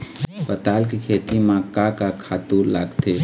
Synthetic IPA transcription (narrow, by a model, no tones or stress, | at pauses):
pət̪alkekʰet̪imãkakakʰaːt̪ula̰ːɡt̪e